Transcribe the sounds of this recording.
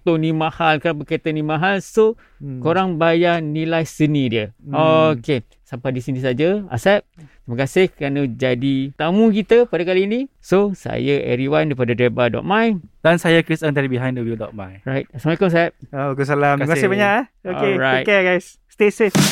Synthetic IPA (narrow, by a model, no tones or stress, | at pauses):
t̪onimahalkɾanp̬əkat̪ənimãɦalso | koɾaŋbajanilajsənidiəokke | sampadisinis̬ad͡ʒaa̰sɛp̚t̪iməkasɪhkɾanəd͡ʒadit̪amũkit̪əpadakaliːnĩsosa̰jaʔɛ̰ɾiwandapadadebadɔ̰t̚majd̥ansajakɾisə̃nt̪aɾibiɦãj̃ndəwildɔ̰t̚majɾajt̪̚asamwɛkəms̬ɛp̚abakus̬alammkasɪhbaɲaʔaoɔkeɾajteɡajsːt̪esis